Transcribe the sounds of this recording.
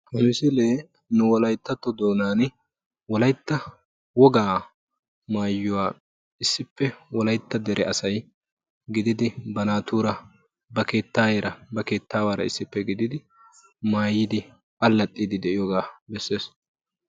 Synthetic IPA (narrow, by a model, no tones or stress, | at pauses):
pɔnɪsɪleː | nʊwɔlɐjt̪ːɐt̪ːɔd̪o̞ːnaːn | wɔlɐjt̪ːɐ | wɔɡaː | maːjːʊwaː | ɪsːɪpːɛwɔlɐjt̪ːɐd̪ɛɾʔɛɐsɐj | ɡɪd̪ɪd̪ɪbɐnaːt̪uːɾɐ | bɐke̞ːt̪ːaːjeːɾɐbɐke̞ːt̪ːaːwaːɾɐ̰ɪsːɪpːɛɡɪd̪ɪd̪ɪ | maːjːɪd̪ɪ | ʔɐlːɐt̪ʼːiːd̪ɪd̪ɛʔɪjɔɡaːbɛsːe̞ːs